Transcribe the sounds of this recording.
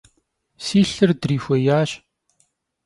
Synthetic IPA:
siːɬɨrdriːxʷɐjaːɕ

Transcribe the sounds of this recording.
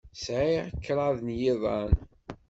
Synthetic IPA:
sʕiʁkːɾˤɑðˤnjɪðˤɑn

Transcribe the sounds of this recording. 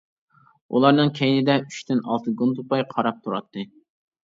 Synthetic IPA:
ʔṵlˠɑɾnɨŋkʲʰɛjnɪd̪ɛyʃt̪ɪnɑlˠt̪ʰɨɡund̪ɨbɑjqʰɑɾɑp̚t̪ʰuɾɑ̰t̪ʰːɨ

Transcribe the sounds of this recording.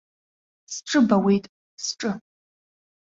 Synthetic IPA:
sʈ͡ʂʼɨbɐwejtʼ | sʈ͡ʂʼɨ

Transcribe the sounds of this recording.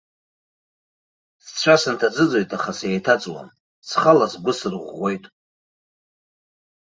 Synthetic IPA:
st͡ɕʷʰasɨntʰad͡zɨd͡zo̞jtʼaχaseejtʰat͡sʼwa̰n | t͡sʰχalasɡʷʊsɨrʁʷojtʼ

